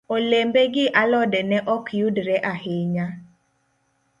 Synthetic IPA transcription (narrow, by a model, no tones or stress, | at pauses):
olembeɡɪʔalɔdɛnɛʔɔkʰjudɾɛʔahɪɲa